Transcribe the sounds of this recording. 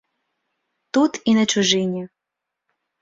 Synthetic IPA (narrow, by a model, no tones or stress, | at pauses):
t̪ut̪inɐt͡ʃʊʒɪnʲi